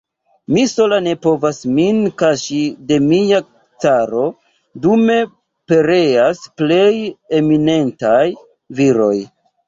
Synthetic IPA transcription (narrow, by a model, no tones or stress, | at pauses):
miso̞lane̞po̞vasminkaʃide̞mia | t͡saɾo̞ | dume̞ | pe̞ɾe̞asple̞jemine̞ntaj | viɾo̞̰j